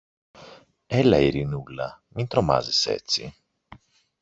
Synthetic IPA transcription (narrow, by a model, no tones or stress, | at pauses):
ɛlːaiɾinulːamint̪ɾoma̰ːzesɛ̰t̪sːi